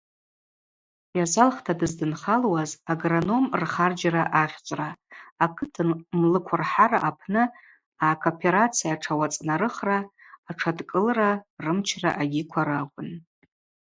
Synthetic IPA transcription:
jazalχtʰadɨzdɨnχalwazaɡrano̞mrχard͡ʒraʔaχʲt͡sʷʼraːkʰɨtʰɨnmlɨkʷʰʊrħaraʔapʰnɨ | akʰopʰe̞ɾat͡sʰijaʈ͡ʂʰawat͡sʼnaɾɨχraː | ʈ͡ʂʰadkʼɨlrarɨmt͡ʃʰra̰ʔaɡʲikʷʰaɾakʷʼʊn

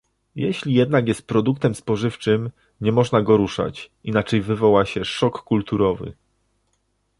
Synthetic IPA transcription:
jɛɕlʲijɛd̪naɡjɛst̪̚pɾɔd̪uk̚t̪ɛmspɔʐɘft͡ʂɘm | ɲɛmɔʐnaɡɔɾuʂa̰t͡ɕinat͡ʂɛjvɘvɔwaɕɛʂɔkːult̪uɾɔvɘ̰

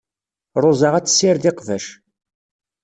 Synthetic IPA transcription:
ɾˤʊzˤəʁæt͡sːsːɪɾðɪqvəʃ

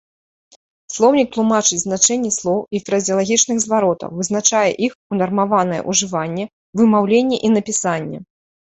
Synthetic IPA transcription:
slˠɔwnʲik̚t̪lˠumat͡ʂɨt͡sʲznat͡ʂɛnʲːɛslˠɔwifɾɐzʲijɐlˠaɣʲit͡ʂnɨxzvaɾɔt̪ɐ̰wvɨznat͡ʂajɛ̰ʔixunɐrmavanɐjɛ̰ʔuʐɨvanʲːɛ | vɨmawlʲenʲːɛʔinɐpʲisanʲːɛ̰

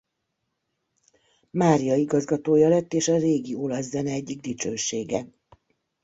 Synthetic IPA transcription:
maːɾijɒiɡɒzɡɒt̪oːjɒlɛt̪ːeːʃɒreːɡiolɒszɛnɛɛɟːiɡ̚d̪it͡ʃøːʃeːɡɛ

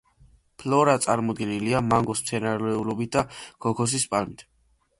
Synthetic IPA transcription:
pʰlɔɾat̪sʼaɾmɔd̪ɡɛniliamaŋɡɔst̪sʰɛnaɾlɛulɔbit̪̚d̪aɡʰɔkʰɔs̬ispʼalmit̪ʰ

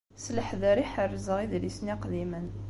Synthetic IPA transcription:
sləħðəɾiħərːzəʁiðlisniqðimən

